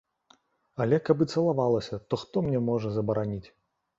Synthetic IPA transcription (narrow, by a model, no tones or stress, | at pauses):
ɐlʲɛkɐbɨt̪sɐlˠavalˠɐsʲɐt̪ɔxt̪ɔmnʲɛmɔʐɐzɐbɐɾanʲit͡sʲ